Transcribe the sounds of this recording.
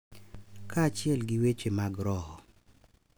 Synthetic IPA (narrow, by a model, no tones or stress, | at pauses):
kʰaːt͡ʃjɛlɡɪwet͡ʃemaɡɾɔhɔ